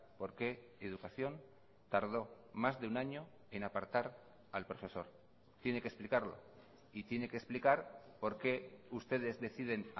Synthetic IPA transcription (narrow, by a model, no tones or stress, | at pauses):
po̞ɾke | eð̞ukaθjo̞n | t̪aɾð̞o̞ | mazðeunaɲo̞ | e̞napaɾt̪aɾ | alpɾo̞fe̞so̞ɾ | t̪je̞ne̞kesplikaɾlo̞̰ | it̪je̞ne̞kesplikaɾpo̞ɾke̞ust̪e̞ð̞e̞zðe̞θið̞e̞n